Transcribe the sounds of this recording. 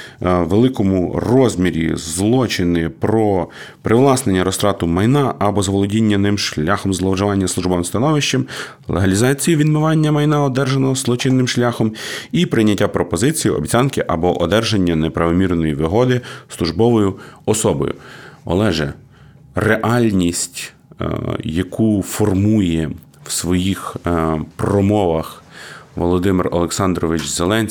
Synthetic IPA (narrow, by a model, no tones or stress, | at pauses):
ʋelˠɪkɔmʊrɔzʲmʲiɾʲḭzlˠɔt͡ʃɪnɪpɾɔ | pɾɪʋlˠɑsnenʲːɐɾɔst̪ɾɑt̪ʊmɐjnɑʔɐbɔzɐʋɔlˠɔdʲinʲːɐnɪmʃlʲaxɔmzlˠɐwʒɐʋɑnʲːɐslˠuʒbɔmst̪ɐnɔʋɪʃt͡ʃɐm | lˠeɦɐlʲizɑt͡sʲijiʋʲid̪mɪʋɑnʲːɐmɐjnɑɔd̪ɛrʒenɔɦɔzlˠɔt͡ʃɪnːɪmʃlʲaxɔmipɾɪjnʲːɐtʲːapɾɔpɔzɪt͡sʲijʊɔ̰bʲt͡sʲɑnkɪʔɐ̰bɔʔɔd̪ɛrʒenʲːɐnepɾɐʋɔmʲirnɔjiʋɪɦɔd̪ɪslˠʊʒbɔʋɔjʊɔsɔbɔ̰jʊ̰ɔ̰lˠɛʒɛ | reʔɑlʲnʲisʲtʲ | jɐkʰufɔrmujɛ | wsʋɔjixpɾɔmɔʋɐxʋɔlˠɔd̪ɪmɪrɔ̰lˠeksɑnd̪ɾɔʋɪt͡ʃzelˠɛnʲ